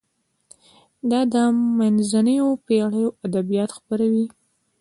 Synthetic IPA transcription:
d̪ɑd̪əmanzanəjopeɽəjoʔad̪abijɑt̪xbəɾawi

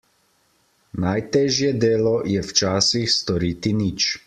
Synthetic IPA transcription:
najt̪ɛːʒjɛd̪eːlɔjɛwt͡ʃaːsixst̪ɔɾiːt̪iniːt͡ʃ

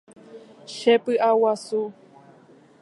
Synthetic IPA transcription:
ʃepɨʔawasu

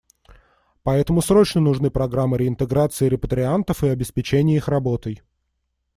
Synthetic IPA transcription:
pɐɛt̪əmʊsɾo̞t͡ɕnənʊʐnɨpɾɐɡɾamːɨɾʲɪɪnt̪ɨɡɾat̪sɨɪɾʲɪpət̪ɾʲɪant̪əfɨɐbʲɪspʲɪt͡ɕenʲɪjəixrɐbo̞t̪ɨj

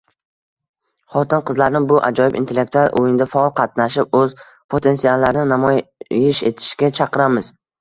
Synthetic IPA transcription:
χɒt̪ʰɪnqɨzlaɾnɪbʊʔa̰d͡ʒɒjɪbint̪e̞lːe̞k̚t̪ualˠʔo̰jɪnd̪afaɒlˠqʰɑt̪̚naʃɪp̚ɵz | pʰo̞t̪ʰe̞nsialˠːaɾnɪnamɒjɪʃe̞̰t̪ʰɪ̥ʃkʲat͡ʃʰɑqɨɾamɪz̥

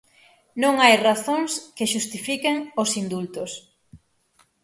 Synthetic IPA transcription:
nõŋajraθoŋskɪʃust̪ifikeŋosind̪ult̪ʊs

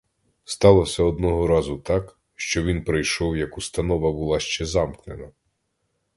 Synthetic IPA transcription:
st̪ɑlˠɔwsʲɛɔd̪nɔɦɔɾɑzʊt̪ɑk | ʃt͡ʃɔʋʲinpɾɪjʃɔwjɐkʊst̪ɐnɔʋɐbʊlˠɑʃt͡ʃɛzɑmknenɐ

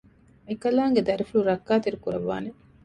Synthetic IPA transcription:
ekɐlaːŋɡed̪ɐɾifuɭuɾɐkːaːt̪iɾukuɾɐʋːa̰ːne

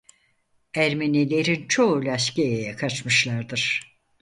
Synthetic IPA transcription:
æɾmenilʲeɾint͡ʃʰolʲaʃciejejɛkʰat͡ʃmɯʃlˠaɾd̪ɯɾ̥

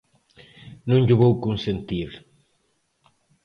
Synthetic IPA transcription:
nũŋʎʊβowkunsent̪iɾ

